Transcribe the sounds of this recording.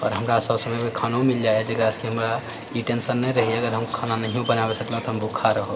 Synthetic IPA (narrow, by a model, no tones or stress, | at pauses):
ɔ̰ɾɦəmɾasəbsəmɛmekʰanomild͡ʒaed͡ʒeɡɾaəskeɦəmɾa | ĩʈensənːɛjɾəɦieəɡəɾɦəmkʰananəɦiõbənabesəkləɦt̪ɔɦəmbʱukʰːaɾəɦə